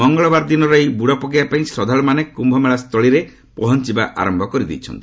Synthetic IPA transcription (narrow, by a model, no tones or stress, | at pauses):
ɔŋɡɔɭɔbaɾɔd̪inɔɾɔjbuɽɔpɔɡijapaĩsɾɔd̪ʱaɭɔmanekumbʱɔmeɭast̪ʰɔɭiɾe | pɔɦɔnt͡ʃibaʔa̰ɾɔmbʱɔkɔɾid̪ḭjt͡ʃʰɔ̰nt̪i̥